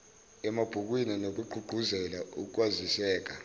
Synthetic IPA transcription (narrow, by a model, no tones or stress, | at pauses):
ɛmab̥ʱuk̬wininok̬ʼuɡ͡ǃʱuɡ͡ǃʱuzɛlauk̬ʼwazisɛːk̬a